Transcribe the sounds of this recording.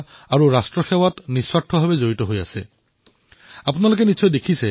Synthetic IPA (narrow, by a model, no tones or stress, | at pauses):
aɹuɹastɹɔxɛwatniswaʈʰːɔbʱabɛzoɹitɔɦoja̰sɛ | apunalok̬ɛnisʰɔjdekʰisɛ